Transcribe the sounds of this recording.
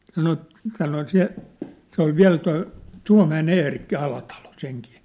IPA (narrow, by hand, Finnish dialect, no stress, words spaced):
sɑno sɑno se se ol ʋiæ̝l toi tuɑ̝mæen eːrikːi ɑlɑtɑlo seŋkiː